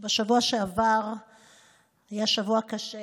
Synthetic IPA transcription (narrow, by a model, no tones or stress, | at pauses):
beʃavuaʃeavaʁ | ajaʃavuakaʃe